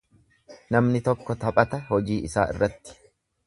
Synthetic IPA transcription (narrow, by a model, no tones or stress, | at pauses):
nɐmnɪt̪ɔkːɔt̪ɐpʼɐt̪ɐɦɔd͡ʒiːʔɪsa̰ːɪ̰rːɐt̪ːɪ̥